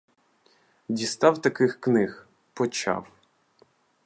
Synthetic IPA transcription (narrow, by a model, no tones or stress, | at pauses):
dʲist̪awt̪ɐkɪxknɪx | pɔt͡ʃa̰w